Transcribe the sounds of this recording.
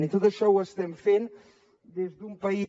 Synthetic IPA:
nit̪ot̪əʃɔwəst̪ɛmfen | d̪ezðumpəi

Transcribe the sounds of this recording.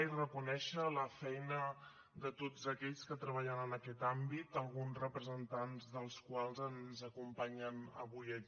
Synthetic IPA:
irəkunɛʃələfɛjnə | d̪ət̪od͡zəkɛʎskət̪ɾəβ̞aʎənənəkɛt̪ambit̪əlˠɣunzrəpɾəzənt̪anzðəlˠskwalˠzənzəkumpaɲənə̰βujə

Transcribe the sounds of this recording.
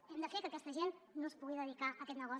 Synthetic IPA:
ɛmd̪əfekəkɛst̪əʒenːospuɣiðəðikaʔəkɛt̪nəɣ̞ɔ

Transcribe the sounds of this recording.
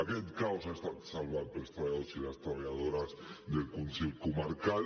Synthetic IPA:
aket̪kawsaest̪at̪salβapɾest̪ɾaaðosilast̪ɾaβaʎaðoɾazd̪elkunselkomaɾkal

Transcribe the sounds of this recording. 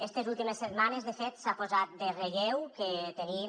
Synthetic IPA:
est̪ezulˠt̪imeset̪manezðefet̪sapozat̪̚d̪ereɣɛwket̪eni

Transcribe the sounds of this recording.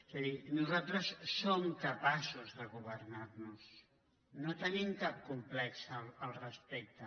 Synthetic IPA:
ezaðinuzalˠt̪ɾəsːomkəpasuzðəɣuβ̞ərnarnus | not̪ənimkap̚kumplɛksəlːlˠrəspek̚t̪ə

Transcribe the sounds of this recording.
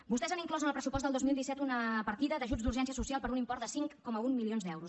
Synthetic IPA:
bust̪ɛzaniŋklɔzənəlˠpɾəsupɔs̬t̪əlˠd̪ozmilˠd̪isɛt̪unəpəɾt̪iðəd̪əʒud͡zd̪uɾʒɛnsiəsusialˠpəɾunimpɔrt̪d̪əsiŋkːɔməumːilionzd̪ɛwɾus

